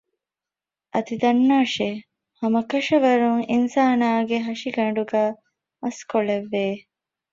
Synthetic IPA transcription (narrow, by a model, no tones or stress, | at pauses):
ʔɐd̪id̪ɐnːaːʃe | hɐmɐkɐʃɐʋɐɾuŋinsaːnaːɡeɦɐʃiɡɐɳɖuɡæː | ɐskoleʋːeː